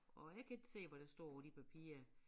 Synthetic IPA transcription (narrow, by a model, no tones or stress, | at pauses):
ɒ̽jɑ̈ɪkʰæe̝ɡ̥se̝̰ːʋɒɾ̥æsd̥ɔ̝ɐ̰d̥ipʰæpʰḭːɐ